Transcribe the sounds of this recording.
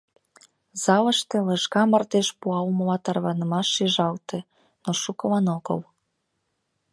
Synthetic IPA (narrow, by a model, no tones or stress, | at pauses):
z̥ɑləʃt̪ĕləʃkɑmərt̪eʃpuɑlməlɑt̪ɑrβɑnəmɑʃːiʒɑlt̪e | noʃukəlɑnoɣə̰l